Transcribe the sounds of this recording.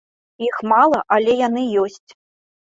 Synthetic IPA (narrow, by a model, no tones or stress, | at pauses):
ixmalˠɐʔalʲɛjan̪ɨjɔsʲt͡sʲ